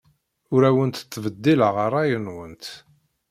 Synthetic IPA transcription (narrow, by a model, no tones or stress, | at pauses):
ʊɾæwənt̪θːvəd̪ːiləʁəɾˤːɑjənwənt̪